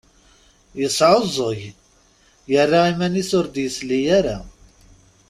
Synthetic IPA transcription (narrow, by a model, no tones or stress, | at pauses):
jəsˤːʕozˤəʝ | jərːaimæniθʊɾd̪jəslijaɾa